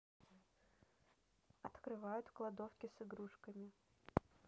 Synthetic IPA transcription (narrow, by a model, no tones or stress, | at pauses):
ɐt̪kɾɨvajʊt̪klˠɐd̪ofkʲɪsɨɡɾuʂkəmʲɪ